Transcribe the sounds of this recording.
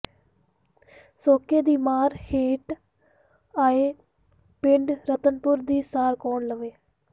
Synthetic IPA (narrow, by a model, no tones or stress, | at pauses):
soːkeːd̪iːmaːɾheːʈ | aːeː | pɪɳɖɾət̪ənpʊɾd̪iːsaːɾkoːɳləʋeː